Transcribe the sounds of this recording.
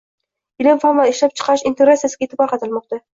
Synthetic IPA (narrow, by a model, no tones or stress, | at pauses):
ɪlɪmfamvaɪʃlap̚t͡ʃʰɨ̥qʰɑɪʃɪnt̪eɾasijasɪɡʲet̪ʰːɪbɑqɑt̪ʰɪlmɒq̚t̪a